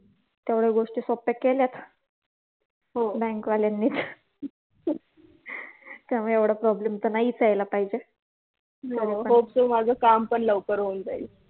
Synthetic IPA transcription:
t̪jaʋɽ̤eɡoʂʈisɔpːekːeljat̪ | ɦobɛ̃ŋkʋaljanːiːt̪ | t̪jaməɽjaʋɽapɾɔblemt̪ənaiːt͡sajlapaɦid͡ʑe | ɦəɾeəobsəmad͡zʱəkampəɳləʋkəɾɦond͡zail

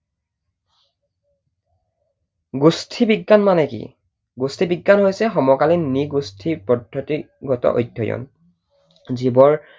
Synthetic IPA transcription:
ɡustʰibiɡːanmanɛkḭ | ɡustʰibiɡːanɦojsɛxɔmɔkalinniɡustʰipɔdʱːɔti | ɡɔtɔ̰ʔo̰jdʱjɔjɔ̰n | zibɔɹ

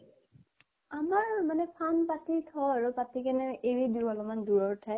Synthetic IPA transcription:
amaɹmanɛpʰanpatitʰɔaɹupatikɛnɛʔeɹidualɔmanduɹɔɹtʰaj

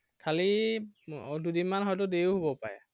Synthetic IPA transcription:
kʰali | dudinmanɦɔjtʊdeɦobɔpa̰ɹɛ̰

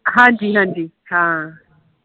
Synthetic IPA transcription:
ɦãnd͡ʒiɦãnd͡ʒiː | hã

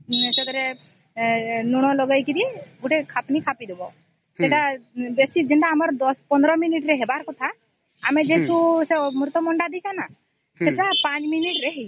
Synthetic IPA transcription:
sek̪ɔɾe | nuɽ̃ɔlɔɡajkiɾiɡuʈekʰapnikʰapid̪ebɔ | seʈabesid͡ʒeɳʈaːmɔɾd̪ɔspɔnd̪ɾɔminiʈɾeɦebaɾkɔt̪ʰa | amed͡ʒet̪ʰusemuɾt̪ɔmɔɳɖad̪it͡ʃʰana | seʈapãt͡ʃminiʈɾeɦej

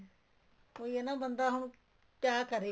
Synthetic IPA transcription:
koːienãːbənd̪aːɦʊn | kjaːkəɾeː

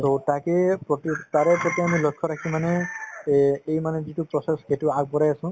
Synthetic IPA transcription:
sotakepɔtitaɾepɾɔt̪iamilɔkʰːɔɾakʰimane | ejmanezitupɹɔsesɡetuaɡ̚bɔɾajasʊ̃

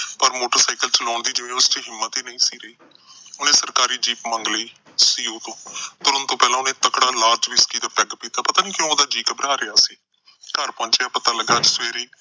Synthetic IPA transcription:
pəɾmoːʈəɾsaːɪkəlt͡ʃəlɔːɳd̪iːd͡ʒɪʋẽːʊst͡ʃəɦɪmːət̪iːnəĩːsiːɾəiː | ʊnẽːsəɾkaːɾiːd͡ʒiːpməŋɡliː | siːoːt̪õːt̪ʊɾənt̪õːpɛːlãːʊnẽːt̪əkɽaːlaːɾd͡ʒʋiskiːd̪aːpɛɡpiːt̪aːpət̪aːniːkjõːoːd̪aːd͡ʒiːkəbəɾaːɾeaːsiː | kəɾpɔ̃ːnt͡ʃeaːpət̪aːləɡaːd͡ʒsʋeːɾiː

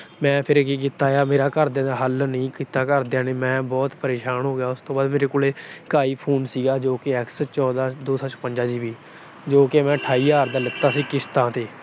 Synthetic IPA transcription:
mɛ̃ːpʰɪɾkik̬iːt̪aːjaːmeːɾaːkəɾd̪jãːd̪aːɦəlnəĩːkiːt̪aːkəɾd̪ãːneːmɛ̃ːbɔːt̪pəɾeːʃaːnɦoːɡejaːʊst̪õːbaːd̪meːɾeːkoːleːkaːiːpʰoːnsiːɡaːd͡ʒoːkɪɛːkst͡ʃɔːd̪aːd̪oːsãːt͡ʃəpəɲd͡ʒaːd͡ʒiːbiː | d͡ʒoːkemɛ̃ːʈʰaːiːaːɾd̪aːlət̪ːaːsiːkɪst̪ãːt̪eː

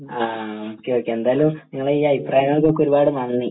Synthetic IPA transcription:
aːoːkːeoːkːeend̪aːjlumniŋːɐɭeiːɐjpraːjɐŋːɐɭk̬ːokːɨɾubaːɽumɐɳnːi

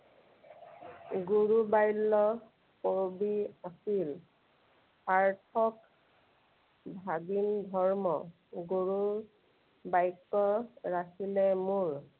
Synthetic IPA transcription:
ɡuɹubajlːɔ | koɹbiasil | paɹtʰɔk | bʱaɡindʱɔɹmɔ | ɡuɹu | bajkːɔɹakʰilɛmuɹ

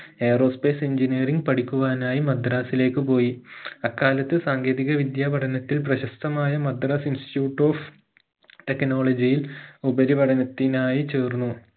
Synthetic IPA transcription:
e̞ːro̞ːspe̞ːsiɲd͡ʑineːriŋɡpɐɽikʲːuʋaːnaːjimɐd̪raːsile̞ːkːɨpo̞ːjiɐkːaːlɐt̪ːɨsaːŋɡeːðiɣɐʋid̪jaːʋɐɽɐnɐt̪ːilp̬rɐɕɐst̪ɐmaːjɐmɐd̪ɾaːsinsi̥tjuːʈːo̞ːf | t̪e̞kno̞ːɭɐd͡ʑijilubɐɾiʋɐɽɐnɐt̪ːinaːjit͡ɕeːrnːu

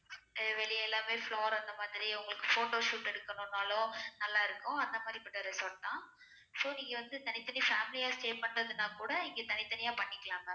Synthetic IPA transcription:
ʋɛɭɪjɛlːaːmeːfɭoːɾɐnd̪ɐmaːðɪɾiʊŋɡɐɭɯkːɯfoːʈoːʂuːʈːɛɽɯkːɐnõːnːaːlõnɐlːaːɪɾɯkːʊ̃ɐnd̪ɐmaːd̪ɾipɪʈːɐɾɪsoːʈ̚t̪ãː | soːniːŋɡɐʋɐnd̪ɯt̪ɐnɪt̪ːɐnifaːmɪlɪjaːsʈeːpɐɳːɾɐðɯnaːkuːɽɐɪŋɡet̪ɐnɪt̪ːɐnɪjaːpɐɳːɪkːɐɭaːŋɡɐ

